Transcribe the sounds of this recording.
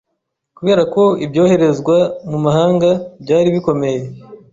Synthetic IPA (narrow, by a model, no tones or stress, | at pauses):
kuβe̞ːɾako̞ibjo̞ːhe̞ɾe̞zɡwamumahaːŋɡabɟaːɾiβiko̞me̞je̞